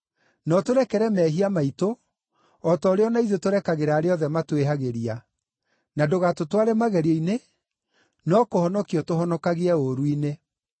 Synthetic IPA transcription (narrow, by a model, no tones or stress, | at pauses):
nɔtoɾɛkɛɾɛmɛːɦiamaito | ɔtɔːɾeɔnaiðotoɾɛkaɣeɾaːɾeɔðɛmatweɦaɣeɾia | nadoɣatotwaɾɛmaɣɛɾeine | nɔkohɔnɔkiɔtohɔnɔkaɣeɛoɾuine